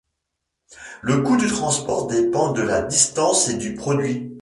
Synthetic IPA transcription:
ləkud̪yt̪χɑ̃spɔʁd̪epɑ̃d̪əlad̪ist̪ɑ̃sed̪ypχɔd̪ɥi

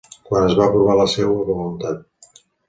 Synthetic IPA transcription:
kwanəzβaːpɾuβ̞aləsɛwəβulunt̪at̪̚

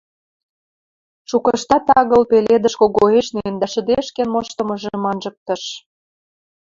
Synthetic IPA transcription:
ʃukɤʃt̪ɑt̪ɑɣɤ̆lpeled̪ə̆ʃkoɣoeʃnend̪ɑʃə̆d̪eʃkenmoʃt̪ə̆mɤ̆ʒemɑnʒɤ̆k̚t̪ɤ̆ʃ

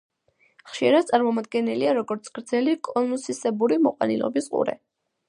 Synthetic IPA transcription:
χʃiɾad̪̥̚t̪sʼaɾmɔmad̪ɡɛnɛliaɾɔɡɔɾt̪sʰɡ̥ɾd̪zɛlikʼɔnusisɛbuɾimɔqʼwa̰nḭlˠɔ̰bisqʼṵɾɛ̰

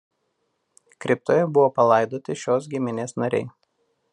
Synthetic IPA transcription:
kɾʲɪp̚t̪oːjɛbʊʋoːpɐlˠɐɪd̪oːt̪ʲɪʃʲoːs̬ɡʲɪmʲɪnʲeːsnɐɾʲɛ̰ɪ

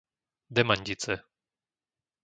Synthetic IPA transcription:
d̪ɛmaɲɟit͡sɛ

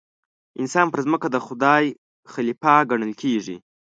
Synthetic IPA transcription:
ɪnsɑnpəɾzməkad̪əxʊd̪ɑj | xalipɑɡaɳəlkʰeʐḭ

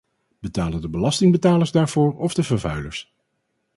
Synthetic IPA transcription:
b̥ətaːləndəbəlɑstɪŋbətaːləɹzdaːɹv̥ʊːɹɔvdəvəɹvœɥlə̰ɹs

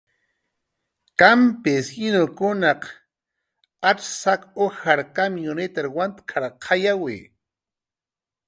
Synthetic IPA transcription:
kampɪsɪnokʊnaq | aʈ͡ʂsakoxaɾkamijonet̪aɾwant̪kʰaɾqʰajawɪ̰

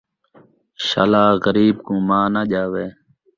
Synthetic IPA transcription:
ʃa̰laːɣəɾiːbkõːmaːnaʄaːʋeː

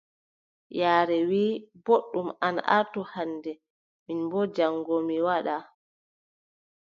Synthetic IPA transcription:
jaːɾɛwiːboɗːumana̰ʔaɾtuhandɛ | minbɔd͡ʒaŋːɡɔmiwaɗa

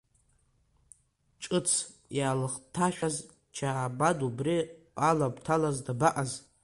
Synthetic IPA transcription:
t͡ʃʼɨt͡sʰ | jalχtʰaʃᶣaz | t͡ʃʰabadubri | alabʼtʰalazdabaʔaz

